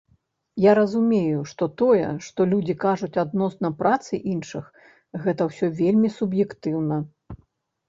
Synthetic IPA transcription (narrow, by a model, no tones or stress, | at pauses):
jaɾɐzumʲejuʂt̪ɔt̪ɔjɛ̰ʂt̪ɔlʲud͡zʲikaʐut͡sʲad̪nɔsnɐpɾʔat̪sɨʔinʂɨx | ɣɛt̪ɐwsʲɔvʲelʲmʲisubjɛkt̪ɨwnɐ